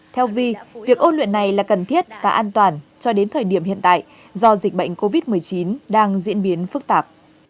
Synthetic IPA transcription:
t̪ʰɛ˧wvi˧vi˨˩ək̚ʔo˧nlwḭ˧˨nːa˨˩jlaː˨˩kə˨˩nt̪ʰi˦˥ət̚vaː˨˩ʔaː˧nt̪waː˨˩nt͡ɕɔ˧ɗe˨˦nt̪ʰəː˨˩jɗi˧˩əmhḭ˧˨ənt̪a̰ː˧˨j | zɔ˧zi˨˩k̟̚ɓə̰˧˨ŋ̟ko˧vi˦˥t̚mɨ˨˩əjt͡ɕi˨˦nɗaː˧ŋzḭ˧˥ənɓi˨˦ənfɨ˦˥k̚t̪aː˨˩p̚

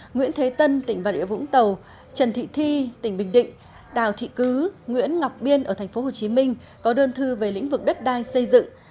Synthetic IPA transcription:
ŋwḭ˧˥ənt̪ʰe˨˦t̪ə˧nt̪ï˧˩ŋvaː˨˩ɗḭ˧əvʊ̰˧˥ŋ͡mt̪ə˨˩w | t͡ɕə˨˩nt̪ʰḭ˧˨t̪ʰi˧t̪ï˧˩ŋ̟ɓï˨˩ŋ̟ɗḭ̈˧˨ŋ̟ | ɗa̰ː˧˨˩wt̪ʰḭ˧˨kɨ˨˦ŋwḭ˧˥ənŋa˨˩wk͡p̚ɓi˧ənʔəː˧˩t̪ʰa˨˩ŋ̟fo˨˦ɦo˨˩t͡ɕi˨˦mï˧ŋ̟ | kɔ˨˦ɗəː˧nt̪ʰɨ˧ve˨˩lḭ̈˧˥ŋ̟vɨ˨˩k̚ɗə˦˥t̚ɗaː˧jsə˧jzɨ̰˧˨ŋ

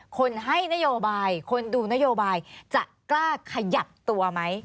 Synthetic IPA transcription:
kʰo˧nɦa˥˩jna˦˥joː˧baː˧jkʰo˧nduː˧na˦˥joː˧baː˧jt͡ɕa̰˨˩ʔklaː˥˩kʰa˧ja˨˩p̚t̪u˧ɐma˦˥j

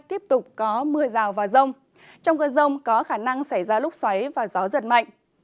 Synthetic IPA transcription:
t̪i˦˥əp̚t̪ʊ˨˩k͡p̚kɔ˨˦mɨ˧əzaː˨˩wvaː˨˩wzə˧wŋ͡m | t͡ɕɔ˧wŋ͡mkəː˧zə˧wŋ͡mkɔ˨˦xaː˧˩na˧ŋsa˧˩jzaː˧lʊ˦˥k͡p̚swa˨˦jvaː˨˩zɔ˨˦zə˨˩t̚ma̰˧˨jŋ̟

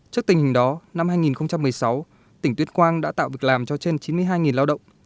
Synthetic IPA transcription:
t͡ɕɨ˦˥ək̚t̪i˨˩ŋ̟hï˨˩ŋ̟ɗɔ˨˦na˧mhaː˧jŋi˨˩nxə˧wŋ͡mt͡ɕa˧mːɨ˨˩əjsa˨˦w | t̪ï˩ŋ̟t̪wi˧˥ənkwaː˧nɗa̰ː˧˥t̪a̰ː˧˨wvi˨˩ə˩k̚laː˨˩mt͡ɕɔ˧t͡ɕe˧nt͡ɕi˨˦mɨ˧əjɦaː˧jŋi˨˩nlaː˧wɗə̰˧˨wŋ͡m

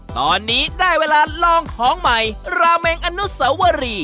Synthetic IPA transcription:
t̪ɔː˧nːiː˦˥daː˥˩jweː˧laː˧lɔː˧ŋkʰɔː˨˩˦ŋma˧˩jɾaː˧meː˧ŋʔa˧nu˦˥sa˨˦˥wa˧ɾiː˧

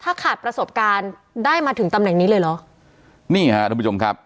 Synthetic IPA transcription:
t̪ʰaː˥˩kʰaː˨˩t̪̚pɾa˧so˨˩p̚kaː˧n | daː˥˩jmaː˧t̪ʰɯ˩˦ŋt̪a˧mnɛ˨˩ŋniː˦˥lɤː˧jlɔ˨˦˥ | niː˥˩ha˦˥ʔ̪ʰpuː˦t͡ɕo˧mkʰa˦˥p̚

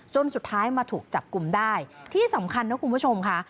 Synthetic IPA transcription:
t͡ɕo˧nsu˨˩t̪ʰːaː˦˥jmaː˧t̪ʰuː˨˩k̚t͡ɕa˨˩p̚ku˧mdaː˥˩jt̪ʰiː˥˩sa˩˦mkʰa˧nːa˦˥kʰu˧nbu˥˩t͡ɕʰo˧mkʰa˦˥ʔ

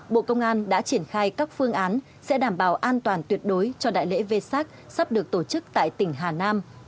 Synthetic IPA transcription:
ɓo̰˧˨kə˧wŋ͡mʔaː˧nɗa̰ː˧˥t͡ɕi˧˩ənxaː˧jkaː˦˥k̚fɨ˧əŋʔaː˨˦n | sɛ̰˧˥ɗaː˧˩mɓaː˨˩wʔaː˧nt̪waː˨˩nt̪wi˨˩ət̚ɗo˨˦jt͡ɕɔ˧ɗa̰ː˧˨jlḛ˧˥ve˧saː˦˥k̚sa˦˥p̚ɗɨ˨˩ək̚t̪o˧˩t͡ɕɨ˦˥k̚t̪a̰ː˧˨jt̪ï˧˩ŋ̟ɦaː˨˩naː˧m

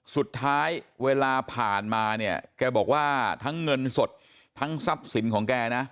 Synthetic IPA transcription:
su˨˩t̪ʰːaː˦˥jweː˧laː˧pʰaː˨˩nmaː˧ni˥˩ɐkɛː˧bɔː˨˩k̚waː˥˩t̪ʰa˦˥ŋːɤ˧nso˨˩t̪̚ʰː | a˦˥ŋsa˦˥p̚si˩˦nkʰɔː˩˦ŋkɛː˧na˦˥

